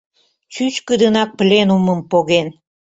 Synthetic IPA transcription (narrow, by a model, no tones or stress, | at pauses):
t͡ɕyt͡ɕkəd̪ənɑk̚plʲenuməmpoɣen